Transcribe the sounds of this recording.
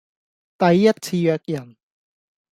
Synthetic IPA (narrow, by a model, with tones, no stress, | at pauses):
t̪ɐ˨jːɐ˥t̚t͡sʰiː˧jœː˧k̚jɐ˨˩n